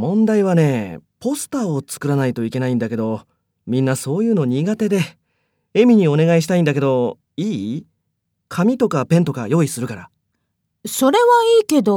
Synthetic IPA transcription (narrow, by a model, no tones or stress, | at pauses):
mõ̞nd̪aiβane̞ːpo̞sɨ̥t̪ao̞t͡sɨ̥kɯ̟ɾanait̪o̞ike̞naĩnd̪ake̞d̪o̞ | mʲĩnːaso̞ːjɯ̟ːno̞ɲ̟iɡat̪e̞d̪e̞ | e̞mʲiɲ̟io̞ne̞ɡaiɕ̬i̥t̪aĩnd̪ak̬e̞d̪o̞ | iː | kʰamʲit̪o̞kapẽ̞nt̪o̞kajo̞ːisɨɾɯ̟kaɾa | so̞ɾe̞βaiːke̞d̪o